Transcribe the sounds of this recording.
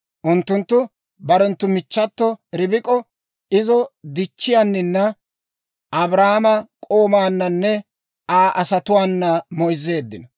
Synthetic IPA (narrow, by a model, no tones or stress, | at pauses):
ʔʊnt̪ːʊnt̪ːʊ | bɐɾɔnt̪ːʊmɪt͡ʃːɐt̪ːɔɾɪbɪkʼɔ | ɪzɔd̪ɪt͡ʃːɪjanːɪnːɐ | ɐbɾaːmɐkʼoːmaːnːɐnːɛ | aːʔɐsɐt̪ʊwaːnːɐmɔjzːe̞ːd̪ːɪnɔ